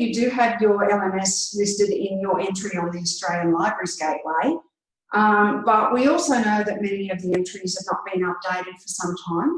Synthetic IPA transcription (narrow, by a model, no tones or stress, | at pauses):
jɨdɨɨvjə˞ɛlˠɛ̃mɛslɪstɨɾɪ̃njəɹɛ̃nt͡ʃɹ̥iə̃nðiɨstɹ̥eɪlˠjɨ̃nlaɪbə˞izɡ̥eɪʔ̚weɪ | ʔʌ̃b̥ʌʔwiɔlˠsoʊnoʊðɨt̚mɛniʌvðiɛ̃nt͡ʃɹ̥iz̥ɨvnət̚b̥ĩŋʌp̚d̥eɪɾɨd̥fə˞sʌ̃mtʰãɪ̃m